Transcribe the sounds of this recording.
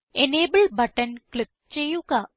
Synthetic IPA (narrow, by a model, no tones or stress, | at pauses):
eneːbəlbɐʈənklɪk̚t͡ʃejuka